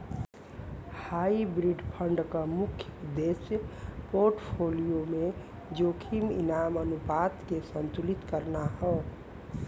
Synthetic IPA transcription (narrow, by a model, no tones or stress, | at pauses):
haibɾiɖpʰəɳɖkəmukʰːjəd̪espoɾʈpʰolijome | d͡ʒokʰimḭnamənupat̪kesənt̪ulit̪kəɾnaɦɔ